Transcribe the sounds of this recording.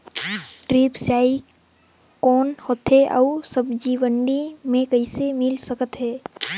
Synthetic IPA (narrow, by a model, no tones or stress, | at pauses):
ʈɾiːpsjaːi | kɔːnhoːt̪ɦeʔə̰usəbd͡ʒiːʋəɳɖimẽkəɪsemɪlsəkət̪ɦɛː